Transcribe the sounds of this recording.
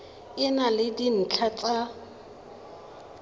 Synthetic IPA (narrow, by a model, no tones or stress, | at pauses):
ɪnalɪdin̩t͡ɬʰat͡sʼa